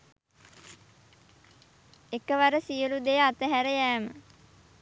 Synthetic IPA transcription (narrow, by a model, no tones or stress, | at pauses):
ekəʋaɾəsijəlud̪ejat̪əɦæɾəjæːmə